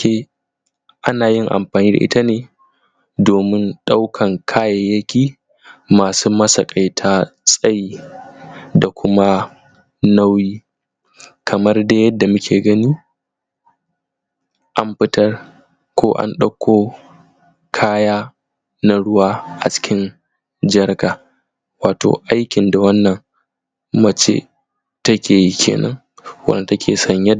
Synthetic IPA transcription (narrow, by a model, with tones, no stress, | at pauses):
eː˦ | ʔa˦naː˨jɪ˦ŋʔa̰˨mɸaː˨niː˦da̰˨ʔɪ̰˦ta˦neː˨ | doː˨mɪ˦nɗa˦wkʰɐ˨ŋkʰaː˦jɐ˨jːɐ˦kʲiː˦ | maː˨suː˦mɐ˦sɐ˨kʼa˨jtʰaː˦sʼɐ˦ji˦ | da˨kʷʰʊ˦ma˦ | na˦wjiː˦ | kʰɐ˨mɐ˦rda˦jɐ˦dːa˨mʊ˦kʲʰeː˨ɡɐ˦niː˦ | ʔa˨mɸɪ˦tɐ˦r | kʷʰoː˦ʔa̰˦nɗɐ˦kʷːoː˦ | kʰaː˦jaː˦ | na˨ɽʊ˦waː˦ʔa̰˨t͡ʃɪ̥˦kʲɪ˦n | d͡ʒɐ˦rɡaː˨ | waː˨to̰ː˨ʔa˦jkʲɪ˨nda˨wɐ˦nːɐ˨ŋ | mɐ˦t͡ʃḛ˦ | tɐ˦kʲʰeː˨ji˦kʲʰḛː˨nʔɐ̰˦ŋ | wɐ̰˦n˨tɐ˦kʲʰeː˨sɐ˦ɲjɐ˦